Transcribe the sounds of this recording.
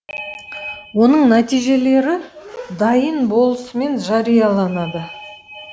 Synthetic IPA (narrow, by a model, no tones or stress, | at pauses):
wo̞nəɴnæt̪ijʒe̞le̞ɾɪd̪ɑjənbo̞lˠəsəme̞nʒɑɾijɑlˠɑnɑd̪ə